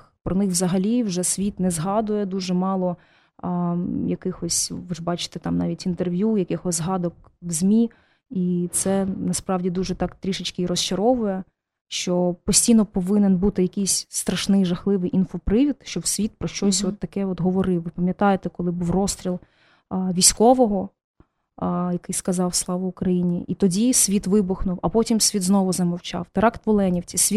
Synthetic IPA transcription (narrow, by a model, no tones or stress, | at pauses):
pɾɔnɪxwzɐɦɐlʲiwʒɛsʲʋʲit̪nɛzɦɑd̪ʊjɛd̪uʒɛmɑlˠɔ | jɐkɪxɔsʲʋɪʒbɑt͡ʃɪ̥t̪ɛt̪ɑmnɑʋʲitʲint̪erʋʲjujɐkɪxɔzʲzɦɑd̪ɔk̚wzʲmʲi | it̪sɛnɐspɾɑwdʲid̪uʒɛt̪ɑkt̪ɾʲiʃɪt͡ʃkɪiɾɔst͡ʃɐɾɔʋʊjɛ | ʃt͡ʃɔpɔsʲtʲijnɔpɔʋɪnɛnbut̪ɪjɐkɪjsʲst̪ɾɐʃnɪjʒɐxlˠɪʋɪjʔinfɔpɾɪʋʲit̪ʃt͡ʃɔbwsʲʋʲit̪̚pɾɔʃt͡ʃɔsʲɔt̪ːɐkɛɔt̪ɦɔʋɔɾɪwʋɪpɐmʲjɐt̪ɑjet̪ɛkɔlˠɪbuwrɔst̪ɾʲilˠ | ʋʲisʲkɔʋɔɦɔ | jɐkɪjskɐzɑwslˠɑʋʊʊkɾɐjinʲiʔit̪ɔdʲisʲʋʲit̪ʋɪbʊxnʊwɐpɔtʲimsʲʋʲit̪znɔʋʊzɐmɔwt͡ʃɑ̰wt̪eɾɑkt̪ʋɔlˠɛnʲiwt͡sʲisʲʋʲi